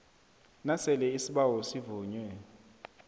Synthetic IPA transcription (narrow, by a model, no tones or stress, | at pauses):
nasɛlɛisiɓawɔsivuːɲwɛ